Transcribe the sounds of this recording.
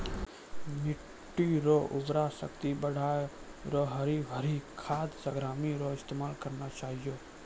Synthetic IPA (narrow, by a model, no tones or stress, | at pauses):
mɪ | ʈːiɾoʔʊbɾasəkt̪ibəɽ̤ʱaːj | ɾoɦəɾiʋʱəɾikʰaːd̪səɡɾaːmiɾoɪst̪emaːlkəɾnat͡ʃaːɦijoː